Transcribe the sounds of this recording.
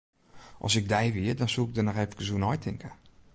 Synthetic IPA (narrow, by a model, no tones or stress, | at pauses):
ʔɔ̰sɪɡ̚dɛjʋiədɔnsuɪɡ̚dənɔxɛːfkəsunɔjtʰɪŋkə